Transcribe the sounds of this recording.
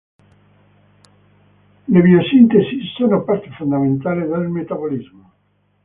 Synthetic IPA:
leβiosint̪esisːonopaɾt̪e̥fond̪amẽnt̪aleðelmet̪aβolizmo

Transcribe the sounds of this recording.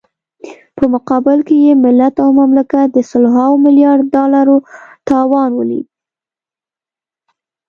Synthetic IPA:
pəmʊqɑbɪlkejemɪlːat̪awmamlakat̪̚d̪əsəlɦawmɪljɑɽd̪dɑlaɾot̪ɑwɑnwə̰lḭd̪

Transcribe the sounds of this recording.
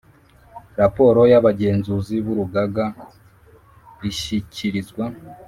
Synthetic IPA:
ɾapo̞ɾo̞jaβaɟe̞ːnzuziβuɾuɡaɡa | ɾiʃicʰiɾizɡwa

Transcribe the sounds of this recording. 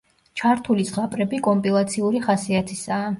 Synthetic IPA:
t͡ʃʰaɾt̪ʰulizʁapʼɾɛbikʼɔmpʼʰilˠat̪sʰiuɾiχasiat̪ʰisaː

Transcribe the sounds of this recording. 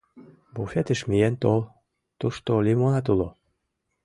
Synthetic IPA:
bufet̪ə̆ʃmijent̪olˠ | t̪uʃt̪olʲimonɑt̪ulo

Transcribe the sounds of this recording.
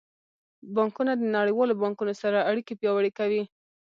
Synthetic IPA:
bɑŋkunad̪ənaɽəjwɑlobɑŋkunosaɾaaɽikepjɑwaɽekawi

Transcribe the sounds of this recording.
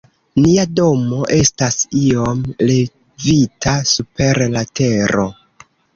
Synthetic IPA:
niado̞mo̞ʔe̞stasio̞mle̞ | vitʰasupe̞ɾlate̞ɾo̞

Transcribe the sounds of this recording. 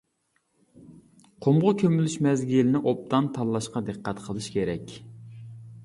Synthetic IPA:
qʰomʁʊkʲʰømylyʃmɛzɡʲilɪnɪʔop̚t̪ɑnt̪ʰɑlːˠɑʃqɑd̪ɨqːæt̪qʰəlˠɨʃkʲeɾɛkʲ

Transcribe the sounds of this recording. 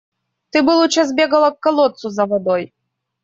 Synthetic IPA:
t̪ɨbɨlˠut͡ʃazbʲeɡɐlˠɐkːɐlˠɔt̪suzɐvɔd̪ɔj

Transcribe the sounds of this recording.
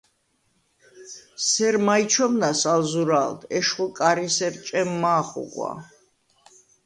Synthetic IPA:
sɛɾmait͡ʃʰɔmnasalzuɾald̪ʰɛʃχukʼaɾisɛɾt͡ʃʼɛmːaːχṵqʼwa̰

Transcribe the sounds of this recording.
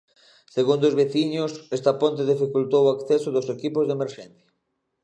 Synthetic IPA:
seɣund̪ozβeθiɲʊsɛst̪apont̪̬eð̞ifikult̪owakθɛsoðosekipozðemeɾʃɛnθjɐ

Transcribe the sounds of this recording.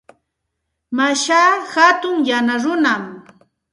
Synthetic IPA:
maʃaːhat̪ʊŋjanaɾʊnam

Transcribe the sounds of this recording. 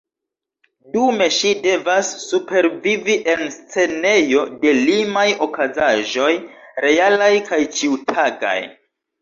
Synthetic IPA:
dume̞ʃide̞vasːupe̞ɾviviʔe̞nst͡se̞ne̞jo̞de̞limajo̞kazaʒo̞jɾe̞alajkajt͡ʃitʰaɡa̰j

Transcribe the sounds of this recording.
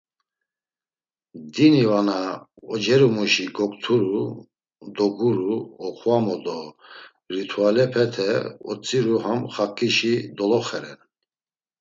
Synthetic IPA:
d̪inivanaɔd͡ʒɛɾumuʃiɡɔkʼt̪ʰuɾu | d̪ɔɡuɾuɔχwamɔd̪ɔ | ɾit̪ʰualɛpʰɛt̪ʰɛɔ̰t͡sʼiɾuhamχakʼiʃid̪ɔlɔχɛɾɛn

